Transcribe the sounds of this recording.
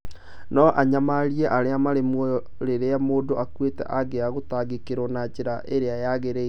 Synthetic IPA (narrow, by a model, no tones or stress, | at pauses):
nɔʔaɲamaɾiɛʔaɾeamaɾemwɔjɔ | ɾeɾeamoːdoʔakwetɛ̰ʔaɡeaɣotaɡekeɾɔnad͡ʑeɾaʔeɾeajaɣeɾe